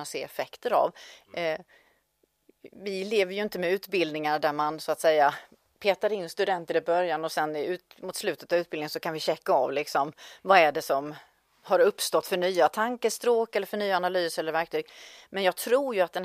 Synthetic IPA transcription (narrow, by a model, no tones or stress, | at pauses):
at̪sḛːɛfɛkt̪əɾa̰v | vɪleːvəɾjɵɪnt̪əmɛʉ̟ːt̪bɪld̪nɪŋaɖæɾmansɔat̪sɛjːa | pʰeːt̪aɾɪnːst̪ɵd̪ɛnt̪əɾɪbœɾjanɔsɛnʉ̟ːt̪mʊt̪slʉ̟ːt̪ət̪avʉ̟t̪bɪld̪ɪŋənsɔkʰanvɪɕɛkːaɑ̰vlɪksɔmvaæɖɛsɔm | haɾɵpːst̪ɔt̪ːfœɳyːat̪ʰaŋkəst̪ɾoːkɛlːəɾfœɳyːaːnalyːsɛlːəɾvæɾk̚t̪ʰyːɡmɛnjɑːɡ̚t̪ʰɾuːɾjɵat̪̚d̪ɛn